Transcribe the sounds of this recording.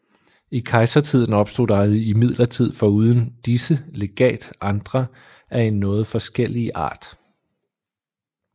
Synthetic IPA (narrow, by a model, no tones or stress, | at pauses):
ikʰɑ̈ɪsɐt͡sʰið̰ˠn̩ɒ̽b̥sd̥o̝̰ːɑ̈ðˠiimið̞̰ˠlɐt͡sʰið̞̰ˠfɒ̽uːð̞ˠən̩d̥isəle̝ɡ̥ɛ̰ːld̥ʔɑ̈nd̥ʁɐ | ʔæɐe̝nːɔ̽ːð̞̩ˠfɒ̽sɡ̥el̰iʔɑ̰̈ːd̥